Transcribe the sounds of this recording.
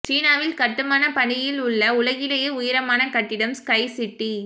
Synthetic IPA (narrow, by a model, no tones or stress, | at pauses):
t͡ʃiːnaːʋɪlkɐʈːɯmaːnɐpɐɳɪjɪlʊɭːɐʊlɐɣɪlɐjeʊjɪɾɐmaːnɐkɐʈːɪɽɐmskɐɪsɪʈːi